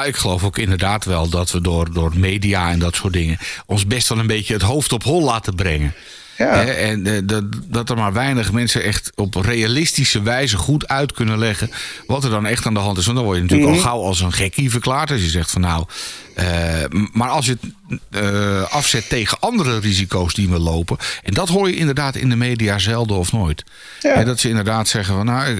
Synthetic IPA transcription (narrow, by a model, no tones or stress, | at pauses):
jaɪkxəlowfoːkɪndərdaːtʋɛlˠdɔtʋədʊːrdʊːrmeːdiaɛndɔtsoːt̚dɪŋəɔnsbɛstʋɛlˠənbeːtjəətɦowftɔpɦɔlˠlaːtəbrɛŋə | hɛɛndɔtəmaɹʋɛjnəχmɛnsənɛxtɔprejalɪstisəʋɛjzəχutœɥtkʰønəlɛɣənʋɔtəɹdɔnɛχtaːndəɦɑntɪsʋɑntdɔnʋɔɹjənatyːəkɔlˠxawɑlˠs̬ənχɛkivəɹklaːɹtɑsjəzɛχtfɔnːaw | əmaɹɑlˠs̬jə | ʔɑfsɛtːejɣəʔɑndərərizikowsdiʋəlowpəʔɛndɔtɦoːjəɪndərdaːtɪ̰ndəmejdiazɛlˠdəɔfnoːjt | ɦɛdɔtsəɪndərdaːtsɛɣəfɔnːaw